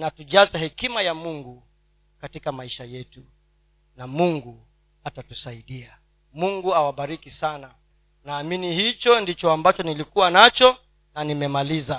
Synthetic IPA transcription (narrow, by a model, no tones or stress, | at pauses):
natuʄazahɛkimajamuŋɡu | katikamaiʃajɛtu | namuŋɡu | atatusaiɗia | muŋɡuawaɓaɾikisana | naːminihit͡ʃɔndit͡ʃɔambat͡ʃɔnilikuwanat͡ʃɔ | nanimɛmaliza